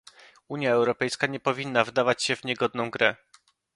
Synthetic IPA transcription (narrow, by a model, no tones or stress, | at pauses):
uɲjaɛwɾɔpɛjskaɲɛpɔvʲinːavd̪avat͡ɕɕɛvɲɛɡɔd̪̚nɔ̃w̃ɡɾɛ